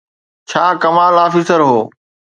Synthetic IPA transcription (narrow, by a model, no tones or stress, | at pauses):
t͡ɕʰaːkɐmaːlaːfiːsəɾɦoː